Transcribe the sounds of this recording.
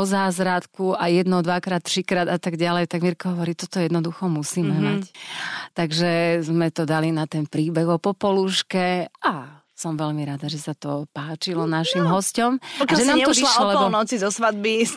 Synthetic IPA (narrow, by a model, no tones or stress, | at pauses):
ɔzaːzɾat̪kuʔajɛd̪nɔd̪ʋakɾaːt̪ːɾikɾaːd̪at̪aɡɟalɛjt̪aɡmiɾkɔɦɔʋɔɾit̪ɔt̪ɔjɛd̪nɔd̪uxɔmusiːmɛmact̪aɡʒɛzmɛt̪ɔd̪alinat̪ɛnpɾiːbɛɣɔpɔpɔluʃkɛʔa | sɔmʋɛʎmiɾad̪aʒɛsat̪ɔpaːt͡ʃilɔnaʃimɦɔscɔmɔkʒɛnaːmɛt̪ɔlaɔɔlɛɔbɔnɔt͡sizɔsʋad̪̚bi